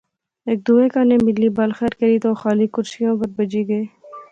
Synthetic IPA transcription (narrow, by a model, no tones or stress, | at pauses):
eːk̚d̪uːeːkaːnẽːmɪlːiːbalxɛːɾkɐɾiːt̪oːxaːliːkʊɾsɪjõːpɐɾbɐd͡ʒiːɡəieː